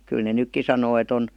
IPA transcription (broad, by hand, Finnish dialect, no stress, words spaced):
kyl ne nykːi sɑnoː et on